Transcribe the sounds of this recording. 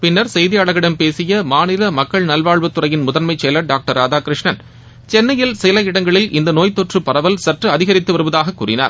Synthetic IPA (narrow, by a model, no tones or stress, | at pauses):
pɪnːɐɾsɛjðɪjaːɽɐɣɪɽɐmpeːsɪjɐmaːnɪlɐmɐkːɐɭnɐlʋaːɭʋɯt̪ːɯrɐjɪnmʊðɐnmɐɪt͡ʃːɛjlɐɖaːk̚ʈɐɾaːðaːkɾɪʂɳɐn | t͡ʃɛnːɐjɪlsɪlɐɪɽɐŋɡɐɭɪlʔɪnd̪ɐnoːjt̪ːɔʈrɯpːɐrɐʋɐlsɐʈrɯɐðɪɣɐɾɪt̪ːɯʋɐɾɯʋɐðaːɣɐkːṵːrɪna̰ːɾ